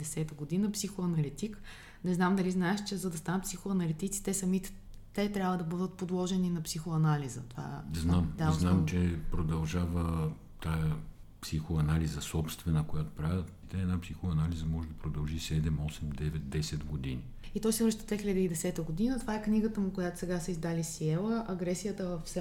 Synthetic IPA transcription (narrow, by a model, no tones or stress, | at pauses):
d̪ɛsɛt̪əɡod̪inəpsixoɐnɐlit̪ik | nɛznamd̪ɐliznaɛʃt͡ʃɛzɐd̪ɐst̪anət̪̚psʲixoɐnɐlit̪it̪si̥t̪ɛsɐmit̪ɛ̥ | t̪ɛt̪ɾʲabvəd̪ɐbɤd̪ət̪̚pod̪lˠɔʒɛninɐpsixoɐnalizə̰t̪ova̰znamd̪znamt͡ʃɛpɾod̪ɐlˠʒavə | t̪ajə | psixoɐnalizɐsɔpst̪vɛnəkojat̪o̥pɾavʲət̪it̪ɛɛd̪napsixoɐnalizəmɔʒɛd̪ɐpɾod̪ɐlˠʒisɛd̪ɛmɔsɛmd̪ɛvɛt̪̚d̪ɛsɛd̪ɡod̪ini | it̪ɔjsɛvɾʃt̪əd̪vɛxilʲəd̪əid̪ɛsɛt̪əɡod̪inət̪ovaɛkniɡət̪əmukojat̪o̥sɛɡasəizd̪alisiɛlˠəʔɐɡɾɛsijət̪əvɐfsɛ